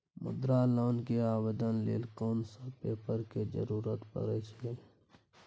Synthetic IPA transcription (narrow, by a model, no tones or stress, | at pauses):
mʊ̰d̪ɾaːloːnkeaːbed̪ənlḛːlkoːnsapeːpəɾked͡ʒə̰ɾuːɾət̪pə̰ɾɛt͡ʃʰe